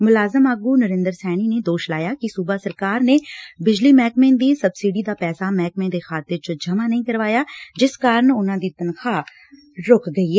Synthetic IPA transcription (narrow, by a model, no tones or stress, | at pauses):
mʊlaːzəmaːɡuːnəɾɪ̃nd̪əɾsɛːniːneːd̪oːʃlaːjaːkɪsuːbaːsəɾkaːɾneːbɪd͡ʒliːmɛːkmẽːnd̪iːsəbsiɖiːd̪aːpɛːsaːmɛːk̚mẽːd̪eːkʰaːt̪ɪɾt͡ʃəd͡ʒəmaːnəĩːkəɾʋaːjaːd͡ʒɪskaːɾəɳʊnãːd̪iːt̪ənkʰaː | ɾʊkɡəiːɛː